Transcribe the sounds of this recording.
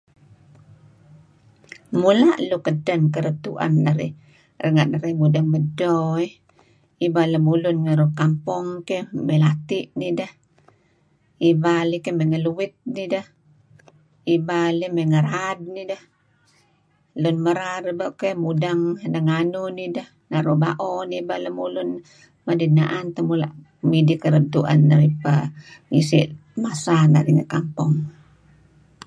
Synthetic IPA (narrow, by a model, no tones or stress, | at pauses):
mulaʔlukədənkəɾət̪ṵʔa̰nːəɾḭ | rəŋaʔnəɾimudaŋmədɔi | ibaləmulʊnŋəɾukampɔŋkeməlat̪iʔnidəh | ibalikəmeŋəluwɪt̪̚nidəh | ibalimɛŋəɾad̚nidah | lunməɾaɾbakemudaŋnaŋanunidah | naɾɔbaʔɔnibalimulun | madidna̰ʔant̪amula̰ʔ | midikəɾəb̚t̪uʔa̰nːaɾipaŋisḭʔmasanaɾiŋakampɔŋ